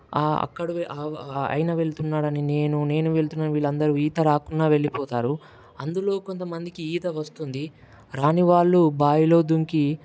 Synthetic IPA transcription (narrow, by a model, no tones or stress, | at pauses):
aɐ̰kːɐɽuʋʔaɐ̰jnɐʋe̞ɭt̪unːaːɽɐnine̞ːnune̞ːnuʋe̞ɭt̪unːaːnʋiːɭːɐnd̪ɐɾuiːt̪ɐɾaːkunːaːʋe̞ɭːipɔːt̪aːɾu | ɐnd̪ulo̞ːko̞nt̪ɐmɐnd̪ikiiːt̪ɐʋɐst̪und̪i | ɾaːniʋaːɭːubaːjilo̞ːd̪uŋki